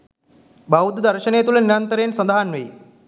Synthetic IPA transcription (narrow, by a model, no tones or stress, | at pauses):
bawud̪d̪ɐɾʃənejɐt̪ulɐniɾɐnt̪əɾejːnsɐnd̪aɦanʋej